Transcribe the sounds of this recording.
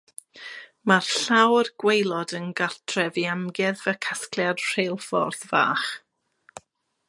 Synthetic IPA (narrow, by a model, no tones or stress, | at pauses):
marɬawrɡ̥wejlˠɔdənɡartʰrɛviamɡjɛðvɛkʰaskljad̥r̥ejlˠfɔ̰rθva̰ːχ